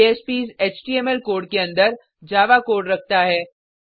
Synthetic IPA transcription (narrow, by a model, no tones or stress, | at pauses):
espiːzeːt͡ʃʈiːeːmɛlkoːɖ̚keɐ̃nd̪əɾ | d͡ʒaːʋakoːʈɾɐk̚ʰt̪aɦɛː